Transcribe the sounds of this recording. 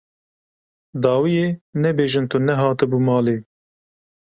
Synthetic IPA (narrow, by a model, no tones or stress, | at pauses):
d̪ɑːwijeːnɛbeːʒɨnt̪unɛɦɑːt̪ɨbuːmɑːleː